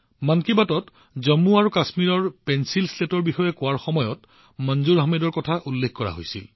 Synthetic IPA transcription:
mankibatɔt | zɔmuaɹukasmiɹɔɹpɛnsilstetɔɹbixɔjɛkʊwaɹxɔmɔjɔt | mɔnzuɹaɦmedɔɹkɔtʰaʔulːekʰkɔɹa̰ɦo̰jsḭl

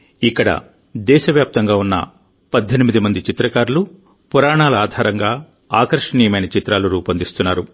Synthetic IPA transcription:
ikːɐɽɐ̰ | d̪ɛːʃɐʋjaːp̚t̪ɐŋɡaːunːɐ̰ | pɐd̪ʱːenimid̪imɐnd̪it͡ʃit̪ɾɐkaːɾulu | puɾaːɳaːlɐaːd̪ʱaːɾɐŋɡaː | aːkɐɾʂɐɳiːjɐmɐjnɐt͡ʃit̪ɾaːluɾuːpɐnd̪ist̪unːaːɾu

